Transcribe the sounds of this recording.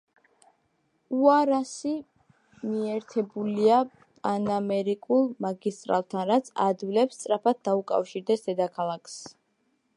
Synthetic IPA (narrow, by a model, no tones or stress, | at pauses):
uaɾasi | miɛɾt̪ʰɛbulia | pʼanamɛɾikʼulˠmaɡist̪ʼɾa̰lˠt̪ʰanɾat̪sʰa̰d̪wilɛpst̪sʼɾapʰad̪̚d̪aukʼa̰fʃiɾd̪ɛsd̪̥ɛd̪akʰalˠakʰs